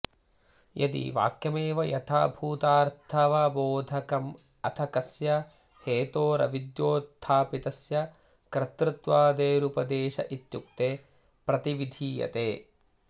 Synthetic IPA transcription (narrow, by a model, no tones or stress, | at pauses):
jʔɐ̰d̪ḭʋa̰ːkjɐmeːʋɐjɐ̰t̪ʰa̰ːbʱuːt̪aːɾt̪ʰɐʋɐboːd̪ʱɐkɐm | ɐt̪ʰɐkɐsjɐ | heːt̪oːɾɐ̰ʋid̪joːt̪ʰːaːpit̪ɐsjɐ | kɾɪt̪ɾɪt̪ʋaːd̪eːɾupɐd̪eːʃɐʔit̪juk̚t̪eː | pɾɐt̪iʋid̪ʱiːjɐ̰t̪eː